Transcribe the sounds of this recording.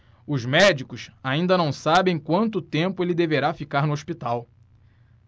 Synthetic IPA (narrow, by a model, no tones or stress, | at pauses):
ʊzmɛd͡ʒikʊsaĩnd̪ɐnɐ̃w̃sabẽj̃kwɐ̃nt̪ʊt̪ẽmpʊelɪd̪eveɾafikaɾnʊoʃpit̪aw